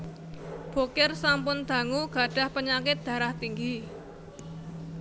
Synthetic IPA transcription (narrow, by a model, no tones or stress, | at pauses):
b̥okɪrsampʊnd̪̥a̤ŋuɡ̥a̤ɖ̥a̤hpəɲakɪt̪̚d̪̥ä̤ɾaht̪iŋɡi